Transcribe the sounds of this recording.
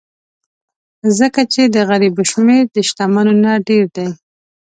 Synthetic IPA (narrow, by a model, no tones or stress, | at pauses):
zəkat͡ʃed̪əɣaɾibʊʃmeɾd̪əʃt̪amanonaɖeɾd̪aj